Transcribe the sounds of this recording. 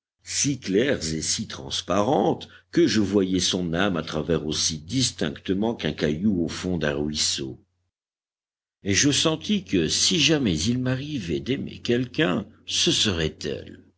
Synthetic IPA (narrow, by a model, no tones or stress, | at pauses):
siklɛʁzesit̪χɑ̃spaʁɑ̃t̪kəʒəvwajɛsɔ̃namat̪χavɛʁosid̪ist̪ɛ̃kt̪əmɑ̃kɛ̃kajuofɔ̃d̪ɛ̃ʁɥiso̰ | eʒəsɑ̃t̪ikəsiʒamɛzilmaʁivɛd̪emḛkʲɛlkʲɛ̃səsəʁɛt̪ɛ̰l